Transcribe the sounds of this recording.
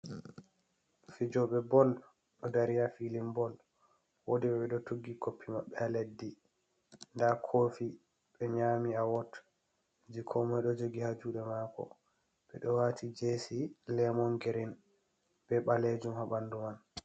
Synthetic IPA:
fid͡ʒɔɓɛbɔl | ɗɔdaɾijafilimbɔl | wodiɓɛɓɛɗɔtoɡːiɡopːimaɓːɛaledːi | ndakʰoːfi | ɓɛɲamiawɔt | d͡ʒikʰɔmɔjɗɔd͡ʒoɡihad͡ʒuːɗɛmaːkɔ̰ | ɓɛ̰ɗɔwatʰid͡ʒesilɛmɔnɡeɾin | b̥ɛɓaled͡ʒumhaɓanduman

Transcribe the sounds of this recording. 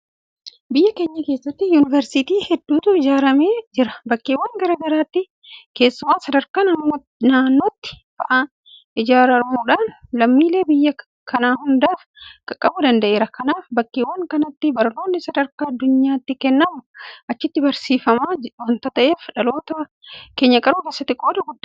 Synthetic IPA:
bɪjːɐke̞ːɲːɐke̞ːsːɐt̪ːɪjuːnɪvɛɾsɪt̪iːhɛd̪ːuːt̪ʊɪd͡ʒaːɾɐme̞ːd͡ʒɪɾɐbɐkːeːwːɐŋɡɐɾɐɡɐɾaːt̪ːɪ | ke̞ːsːʊmaːsɐd̪ɐɾkaːnɐm | naːnːo̞ːt̪ːɪ̥bɐʔaːn | ʔɪd͡ʒaːɾɐɾmuᶑaːnlɐmːiːle̞ːbɪjːɐ | kʰɐnaːhʊnd̪aːf | kʼɐkʼːɐbʊd̪ɐnd̪ɐʔeːɾɐkɐnaːfbɐkːeːwːɐŋkɐnɐt̪ːɪbɐɾno̞ːnːɪsɐd̪ɐɾkaːɐd̪ːʊɲːaːt̪ːɪkɛnːɐmʊʔɐt͡ʃːɪt̪ːɪbɐɾsiːfɐmaːwɐnt̪ɐt̪ɐʔeːfᶑɐlo̞ːt̪ɐ | keːɲːɐkʼɐɾuːkesːɐt̪ɪkʼo̞ːd̪ɐɡʊd̪ːɐ

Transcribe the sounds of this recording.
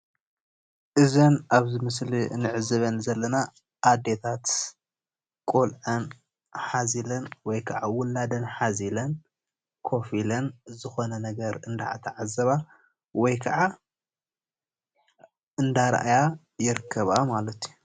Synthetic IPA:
ʔɨzɐnaβzɨmɨslinɨʕɨzɨβɐnzɐlːɐna | ʔːd̪e̞t̪ʰat̪ | kʼolʕɐn | ħazilɐnwɔjkʰɐʕawʊlːad̪ɐnħazilɐn | kʰo̞filɐnzɨxo̞nɐnɐɡɐɾɨnd̪a̰ʕa̰t̪ʰɐʕazɐβa | wɔjkʰɐʕa | ɨnd̪aɾɐ̰ʔaja | jɪɾɨkʰːɐβamalɐt̪ju

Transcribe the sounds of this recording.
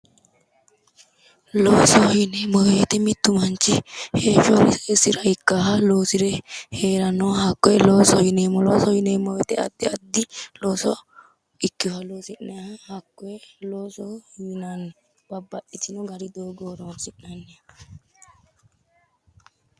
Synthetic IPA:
loːsɔɪnemɔweːt̪ɛmɪt̪ːʊmɐnt͡ʃːɪhe̞ːʃɔɾɪsɪɾɐɪkːaːɦɐloːsɪɾɛhe̞ːɾɐnɔhɐkːɔjɛloːsɔhɪneːmɔloːsɔjɪneːmɔwɛt̪ɛɐ̰d̪ːɪɐd̪ːɪloːsɔ | ɪkːɪhɐloːsɪnːɛhɐhɐkːɔjɛloːsɔjɪnɐn | b̥ɐbːɐɗɪt͡ʃːɪnɔɡɐɾɪd̪oːɡoːɾɔsɪnːɐnːɛ

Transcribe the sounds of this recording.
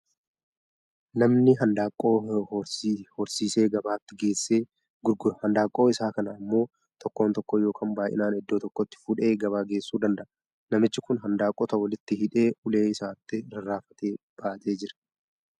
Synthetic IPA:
nɐmnɪɦɐnd̪aːkʼːoːshɔɾsiːse̞ːɡɐbaːt̪ːɪɡe̞ːsːe̞ː | ɡʊɾɡhɐnd̪aːkʼːo̞ːɪsaːkɐnɐːmːo̞ː | t̪ʰɔkːo̞ːnt̪ɔkːɔjo̞ːkʰaːmbaːʔɪ̰naːnɛd̪ːoːt̪ɔkːɔt̪ːɪ̥fʊᶑe̞ːɡɐβaːɡeːsːuːd̪ɐnd̪ɐʔɐ | nɐmɪt͡ʃːɪkʊnɦɐnd̪aːkʼːɔt̪ɐwɐlɪt̪ːɪhɪᶑe̞ːʔʊle̞ːɪsaːt̪ːɪɾɐrːaːfɐt̪e̞ːb̥aːɐt̪ʰe̞ːd͡ʒɪɾɐ̥

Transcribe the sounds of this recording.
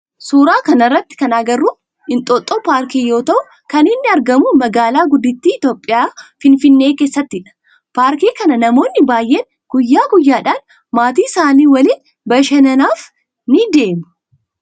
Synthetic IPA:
suːɾaːkɐnɐrːɐt̪ːɪ̥kɐnaɡɐrːuː | ɪnt̪ʼɔt̪ʼːopaːɾkiːjo̞ːt̪ɐʔʊ | kɐnɪnːɪɐɾɡɐmumɐɡaːlaːɡʊd̪ːɪt̪ːiːɪt̪o̞ːpʼːɪjaːfɪnfɪnːe̞ːkeːsːɐt̪ːɪᶑɐ̥ | paːɾkiːkɐnɐnɐmo̞ːnːɪbaːjʔeːn | ɡ̥ʊjːaːɡʊjːaːᶑaːn | maːt̪̬iːɪsaːniːwɐliːn | bɐʃɐnɐnaːf | nɪd̪e̞ːmʊ̥

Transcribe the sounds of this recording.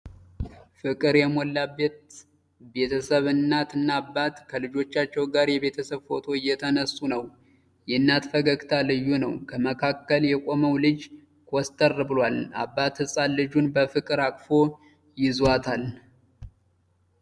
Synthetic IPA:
fɨkʼɨɾjɛmolːabet̪ | be̞t̪ʰəsəβɨnːat̪ɨnːaːbːat̪kʰəlɨd͡ʒo̞t͡ʃːat͡ʃːɛwɡaɾjɛβe̞t̪ʰəsəβfo̞t̪ʰo̞ɪjːɛt̪ʰənəsːunəw | jɛnːat̪fəɡəɡt̪ʰalɨjːunəwkʰəməkʰakːəljɛkʼo̞məwlɨd͡ʒ | kʰɔst̪ʼərːɨbɨlwala̰bːat̪hɨsʼalːɨd͡ʒunbəfɨkʼɨɾakʼfo̞ | jɪzwat̪ʰal

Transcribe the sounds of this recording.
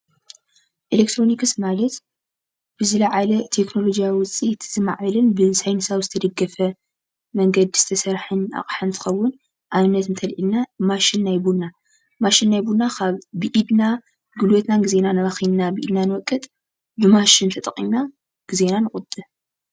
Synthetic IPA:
ʔilek̚t̪ʰɾo̞nikɨsmalɐt̪ | b̥ɨzɨlɐʕalɐt̪ʰe̞kno̞lo̞d͡ʒijawiwʊt͡sʼit̪ʰz̥ɨma̰ʕβɐlɨnbɨsajnɨsaβzɨt̪ʰɐd̪ɐɡːɐfɐ | mɐŋɡɐd̪izɨt̪ʰɐsɐɾħɨna̰χʼħɨnt̪ʰɨ̥xɐwːʊn | ʔaβɨnɐt̪ɨnt̪ʰɐlʔilnamaʃɪnːajbuna | maʃinːajbunakʰaβːɨʔid̪na | ɡɨlwot̪naɡɨze̞nanɨɾaxinnabɨʔid̪nanɨwɔkʼːɨt̪ʼ | bɨmaʃɪnt̪ʰɐt̪ʼɐχʼina | ɡ̥ize̞nanɨχʼʊt̪ʼɨ

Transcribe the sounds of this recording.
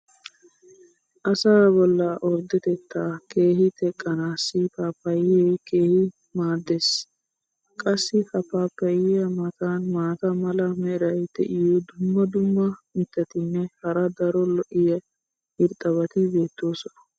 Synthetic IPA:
ʔɐsɐɾɐbɔlːɐʔɔɾd̪ɪt̪ɛt̪ːaːke̞ːhɪt̪ɛkʼːɐnaːsːɪpaːpːɐjɪɛke̞ːhɪ | maːd̪ːeːs | kʼɐsːɪpɐpːaːpːɐjɪjɐmɐt̪aːnmaːt̪ɐmɐlɐmɛɪɾɐjt̪ɛ̰ʔɪjod̪ʊmːɐd̪ʊmːɐɪt̪ːɛt̪ɪnːɛhɐɾɐd̪ɐɾɔlɔʔɪjɐ | hɪɾt̪ʼɐβɐt̪ɪbe̞ːt̪ːo̞ːsɔnɐ

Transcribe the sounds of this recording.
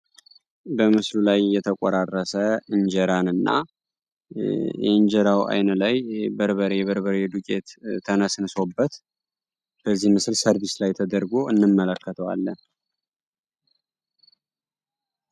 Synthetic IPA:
bəmɨslulajːɛt̪ʰəkʼoɾarːəsəɨɲd͡ʒɛɾanɨnːa̰ | jɛ̰ɨɲd͡ʒɛɾawa̰jnəlajbəɾβəɾɛβəɾβəɾed̪ukʼe̞̰t̪t̪ʰːənəsɨnso̞bːət̪ | b̥əzːihmɨslsəɾβislajt̪ʰəd̪əɾɡo̞ɨnːɨmːələkʰːət̪ʰəwa̰lːən

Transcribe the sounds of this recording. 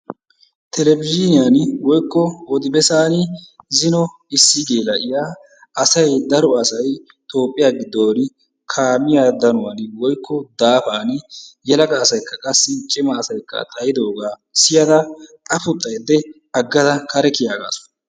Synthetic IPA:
t̪ʰɛlɛbɪd͡ʒɪnɪjaːnwɔjkːɔɔd̪ɪbɛsaːnɪzɪnɔ | ɪsːɪɡeːlɐʔɪjaː | ɐsɐjd̪ɐɾɔɐsɐj | t̪o̞ːpʼːɪjaːɡɪd̪ːoːɾɪ | kʰaːmɪjaːd̪ɐnʊwanɪwɔjkːɔd̪aːfaːnɪjɛlɐkʼɐːsɐjkːɐkʼɐsːɪt͡ʃʼɪmɐːsɐjkːɐ̰t̪ʼɐjɪd̪o̞ːɡaː | sɪjɐd̪ɐtʼɐfʊt̪ʼːɐjd̪ːɛ | ɐɡːɐd̪ɐkʰɐɾɛkɪjaːɡa̰ːsʊ̥

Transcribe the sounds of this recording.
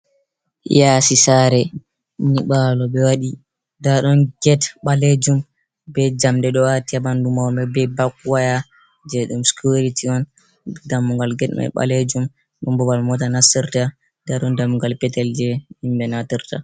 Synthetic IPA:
jasisaɾɛ | niɓalɔbɛwaɗi | daɗɔnɡɛtɓaled͡ʒum | bɛd͡ʒamdɛɗɔwatiabandumawmɛbɛbakwaja | d͡ʒɛɗumskuɾitiɔn | damːuŋɡalɡɛtma̰jɓa̰led͡ʒum | ɗɔmbɔbalmɔtanasiɾta | d̥aɗɔndamuŋɡalpɛtɛld͡ʒɛimbɛnatiɾta

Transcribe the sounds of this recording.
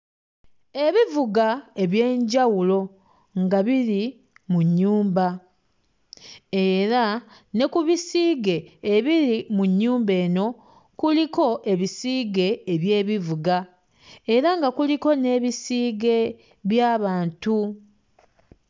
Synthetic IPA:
e̞βivuɡae̞βje̞ːɲɟawulo̞ | ŋɡaβiɾi | muɲːuːmba | e̞ɾa | ne̞kuβisiːɡe̞ːβiɾimuɲːuːmbe̞ːno̞ | kuliko̞ʔe̞βisiːɡe̞ːβje̞ːβivuɡa | e̞ɾaŋɡakuliko̞ne̞ːβisiːɡe̞ | βjaːβaːntu

